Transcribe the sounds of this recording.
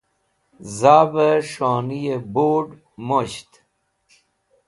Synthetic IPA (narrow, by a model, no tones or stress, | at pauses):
zaːbəʂoːnijeboːɖ | moɕt̪